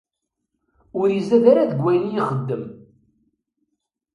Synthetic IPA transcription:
ʊɾjizæðaɾaðəɡʷæjənijiχəd̪ːəm

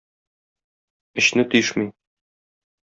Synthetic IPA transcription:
ɘ̆ɕnɘt̪ɵ̆jɘʃmi

